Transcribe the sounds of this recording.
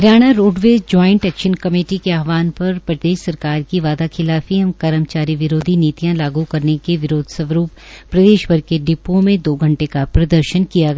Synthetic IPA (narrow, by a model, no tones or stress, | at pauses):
ɾjaːɽ̃aɾoːɖʋeːd͡ʒɔːɪ̃ɳʈɛːkʃənkɐmeːʈikeaːɦʋaːnpɐɾpɾɐd̪eːʃsɐɾkaːɾkiʋaːd̪akʰɪlaːfiɦɐmkɐɾəmt͡ʃaːɾiʋɪɾoːd̪ʱiniːt̪ijãlaːɡukɐɾnekeʋɪɾoːd̪ʱsɐʋɾuːp | pɾɐd̪eːʃbɐɾkeɖɪpõmẽd̪oːɡʱɐ̃ɳʈekapɾɐd̪əɾʃənkijaɡ